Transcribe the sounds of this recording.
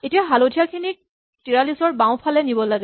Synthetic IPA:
etiaɦalodʰʱijakʰinik̚ | tiɹalisɔɹbãʊ̃pʰalɛnibɔlaɡɛ

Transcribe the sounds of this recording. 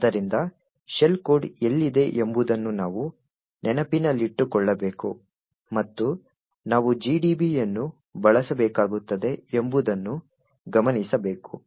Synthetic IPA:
ɐd̪ɐɾind̪ɐ | ʃelkoːɖelːid̪e̞ʔembud̪ɐnːunaːʋu | nʔɛnɐpinɐlːiʈːukɔɭːɐbe̞ːku | mɐt̪ːu | naːʋud͡ʒiːɖiːbijɐnːu | bɐɭɐsɐbɛːkaːɡut̪ːɐd̪e̞ːmbud̪ɐnːu | ɡɐmɐnisɐbe̞ːku

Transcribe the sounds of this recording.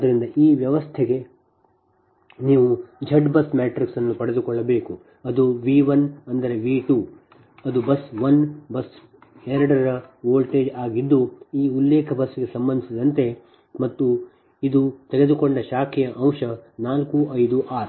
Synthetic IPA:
d̪ɐɾind̪ɐʔiːʋjɐʋɐst̪ʰeɡe̞ | niːʋud͡ʒʱɐɖbɐsmaːʈɾiksɐnːupɐɽed̪ukɔɭːɐbe̞ːku | ɐd̪uʋiːʋɐnɐnd̪ɐɾe̞ʋiːʈuː | ɐd̪ubɐsʋɐnbɐs | eɾɐɽɐɾɐɾɐʋoːlʈe̞ːd͡ʒaːɡid̪ːuiːulːɛːkʰɐbɐsːɡe̞sɐmbɐnd̪isid̪ɐnt̪e̞ | mɐt̪ːu | id̪ut̪eɡe̞d̪ukoɳɖɐʃaːkʰijɐʔɐwʂɐnaːlkuɐjd̪uʔaːɾ

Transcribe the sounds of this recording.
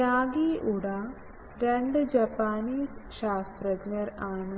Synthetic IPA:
aːɡiʔuɽa | ɾeɳɖɨd͡ʑɐpːaːniːsʂaːst̪rɐɡnɐraːɳɨ

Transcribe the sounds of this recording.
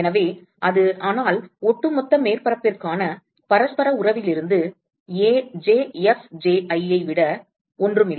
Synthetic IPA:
ɛnɐʋeː | ʔɐðɯaːnaːlɔʈːɯmɔt̪ːɐmeːrpɐɾɐpːɪrkaːnɐ | pɐɾɐspɐɾɐʊrɐʋɪlɪɾɯnd̪ɯ | eːd͡ʒeːɛfd͡ʒeːʔɐɪɐɪʋɪɽɐ | ɔndrɯmɪl

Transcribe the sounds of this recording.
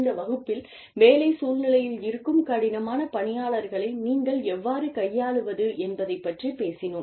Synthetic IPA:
nd̪ɐʋɐɣɯpːɪl | ʋeːlɐɪsuːlnɪlɐjɪlɪɾɯkːɯmkɐɽɪnɐmaːnɐpɐɳɪjaːɭɐɾɣɐɭɐɪniːŋɡɐɭɛʋːaːɾɯkɐjːaːɭɯʋɐðɯʔɛnbɐðɐɪpːɐʈripeːsɪnɯm

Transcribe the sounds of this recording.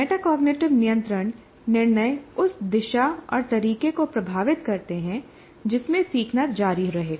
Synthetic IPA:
meːʈakɔːɡneːʈɪʋnijə̃nt̪ɾəɳ̃ | nɪɾnəʊsd̪ɪʃaɔ̰ːɾt̪ɐɾiːkekopɾɐbʱaːʋɪt̪kɐɾt̪eɦɛ̃ | d͡ʒɪsmẽsiːkʰnət̪̚d͡ʒaːɾiɾɐɦeːɡa

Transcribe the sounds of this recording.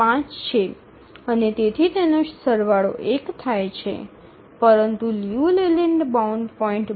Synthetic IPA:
ãt͡ʃt͡ʃʰe | ənet̪et̪ʰit̪enoʃsəɾʋaɭo̰ʔekt̪ʰajt͡ʃʰḛ | pəɾənt̪uljuleleɳɖbauɳɖpɔĩɳʈ

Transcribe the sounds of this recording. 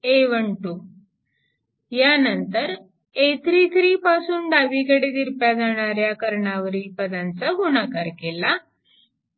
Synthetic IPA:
eʋəɳʈu | janənt̪əɾ | et̪ɾiːt̪ʰɾiːpasuːnɖaʋikəɽed̪iɾpjad͡zaɽ̃aɾjakəɾɳaʋəɾiːpəd̪ant͡səɡuɳakaɾkela

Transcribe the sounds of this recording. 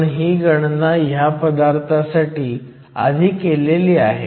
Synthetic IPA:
ɳɦiːɡəɳnajapəd̪aɾt̪ʰasaʈiː | a̰d̪ʱiːkeleliːaɦḛ

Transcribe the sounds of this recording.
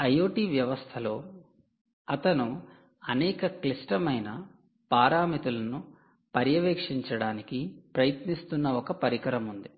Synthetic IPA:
ɐjoːʈiːʋjɐʋɐst̪ʰɐlo̞ː | ɐt̪ɐnu | ɐnɛːkɐklisʈɐmɐjnɐ | paːɾaːmit̪ulɐnu | pɐɾjɐʋeːkʂiɲt͡ʃɐɽaːnikipɾɐjɐt̪nist̪unːɐɔkɐpɐɾikɐɾɐmund̪i

